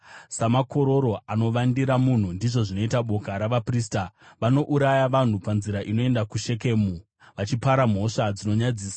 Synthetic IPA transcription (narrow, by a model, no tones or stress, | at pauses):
samako̞ɾo̞ɾo̞ʔano̞ʋandiɾamun̤undiʐo̞ʐino̞itaɓo̞kaɾaʋapriːstaʋano̞ʔuɾajaʋan̤upanziɾaʔino̞e̞ndakuʃe̞ke̞ːmu | ʋat͡ʃipaɾam̤o̞ʂad͡zino̞ɲad͡ziːsḁ